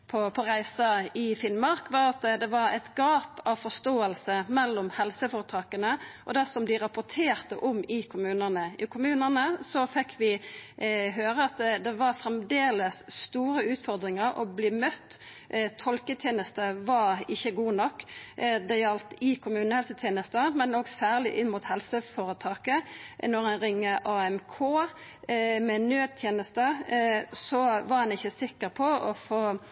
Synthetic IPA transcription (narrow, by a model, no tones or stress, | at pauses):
pʰɔpʰɔɾæɪsɑɪfɪnmɑɾkʋɑɾɑt̪d̪ɛʋɑɾɛ̰t̪ɡɑːpɑʋfɔst̪oːəlsəmɛlːɔmhɛlsəfɔɾət̪ʰɾɑːkənəʔɔd̪ɛsɔmd̪ɪɾɑpʊt̪ʰeːɾt̪ə̰ʔʊmɪkʰʊmʉːnənəɪkʰʊmʉːnənəsɔfɛkʰːʋɪ | ɦøːɾəɑt̪d̪ɛʋɑɾfɾɛmd̪eːləsːt̪uːɾəʉːt̪fɔɾd̪ɾɪŋəɾɔ̰bliːmœt̪ː | t̪ʰɔlkət̪ʰjeːnəst̪əʋɑɪçːəɡuːnɔkːd̪ɛjɑlt̪ɪkʰʊmʉːnəhɛlsət̪ʰjeːnəst̪əmɛnoːɡsæːʁlɪʔɪnmuːt̪hɛlsəfoːɾət̪ʰɑːkənɔʁænɾɪŋːəʔɑːɛmkʰoː | mɛnøːd̪̚t̪ʰjeːnəst̪ə | sɔʋɑʁɑnɪçːəsɪkːəʁpʰɔɔfoː